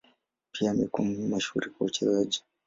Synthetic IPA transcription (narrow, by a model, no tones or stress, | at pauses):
pʰiamɛkummaʃṵɾikaut͡ʃɛzad͡ʒi̥